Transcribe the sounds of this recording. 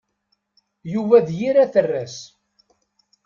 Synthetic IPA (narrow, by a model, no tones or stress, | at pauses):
juvæðjiɾæθərːæs